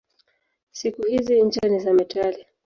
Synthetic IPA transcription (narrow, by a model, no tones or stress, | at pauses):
sikuhiziɲ̩d͡ʒanizamɛtʰali